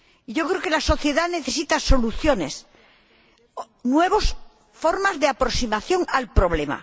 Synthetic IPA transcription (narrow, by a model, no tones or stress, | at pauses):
iʝokɾeokelaso̞θje̞ðane̞θe̞sit̪aso̞luθjone̞s | nwe̞β̞os | fo̞ɾmazðeapɾoksimaθjo̞ŋalpɾo̞β̞lema̰